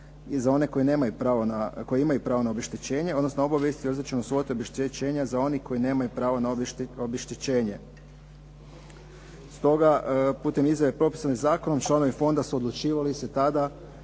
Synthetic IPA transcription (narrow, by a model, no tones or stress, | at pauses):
zao̞ne̞ko̞ine̞ːmajupɾaːʋonako̞jimajupɾaːʋonaobjeʃt̪it͡ɕe̞ːɲe̞od̪no̞snoobaʋje̞st̪iɾzit͡ʃenuso̞t̪ibʃet͡ɕe̞ːɲazao̞niko̞jine̞ːmajupɾaːʋonaobeʃt̪it͡ɕe̞ːɲe̞ | st̪o̞ɡapuːt̪e̞mizjaʋepɾo̞pi̥sanizaːko̞no̞mt͡ʃlˠano̞ʋifo̞nd̪asuod̪lˠut͡ʃiːʋaliset̪ad̪a